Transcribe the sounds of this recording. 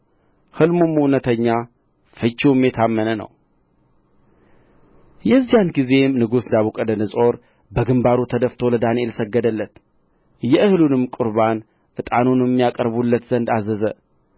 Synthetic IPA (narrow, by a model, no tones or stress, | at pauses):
hɨlmomuwnət̪ʰəɲːa | fɨt͡ʃːuwmjet̪ʰamːənənə̰w | jɛzːijanɡize̞mnɨɡusd̪aβukʼəd̪ənɨsʼo̞ɾ | bəɡɨmbaɾut̪ʰəd̪əft̪ʰo̞ləd̪anie̞lsəɡːəd̪əlːət̪ | jɛʔɨhlunɨmkʼʊɾβan | ʔɨt̪ʼanunɨmːijakʼəɾβulːət̪z̥ənd̪azəzə